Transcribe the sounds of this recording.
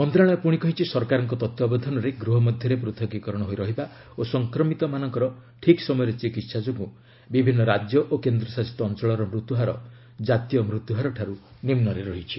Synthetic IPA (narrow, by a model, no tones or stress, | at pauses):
pɔnd̪ɔɾaɭ̃ɔpuɽ̃ikɔɦit͡ʃʰisɔɾkaɾɔŋkɔt̪ɔt̪wɔbɔd̪ʱɔnɔɾeɡɾuɦɔmɔd̪ʱjɔɾepɾut̪ʰɔɡikɔɾɔɽ̃ɔɦojɾɔɦiba | osɔŋkɾɔmit̪ɔmanɔŋkɔɾɔʈʰiksɔmɔjɔɾet͡ʃikit̪sad͡ʒoɡu | bibʱinːɔɾad͡ʒjɔʔokend̪ɾɔsasi̥t̪ɔːnt͡ʃɔɭɔɾɔmɾut̪uɦaɾɔ | d͡ʒat̪ijɔmɾut̪uɦaɾɔʈʰaɾunimnɔɾeɾɔɦit͡ʃʰi